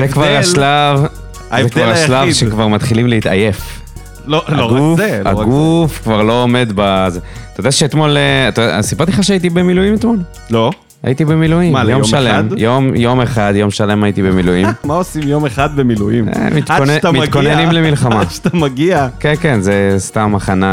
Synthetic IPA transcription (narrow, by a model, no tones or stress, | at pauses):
zekvaʁaʃlav | azekvalʁaaʃlavdʃekvaʁmat̪χilimlehit̪a̰je̞f | looʁɡuzea̰ɡufkvaʁlo̞ːme̞d̪bazet̪aodaʃeet̪mo̞leat̪odasibaʁt̪iχaʃeait̪ibemilujimet̪mo̞l | lo | a̰jit̪ibemilujimajomjʃalemjo̞mjo̞meχad̪jo̞mʃale̞majit̪ibemilujimmaosimjomeχad̪̚bemilujimḛmit̪ontmit̪konenimlemilχamaʃt̪amaɡiakenkenzest̪amaχana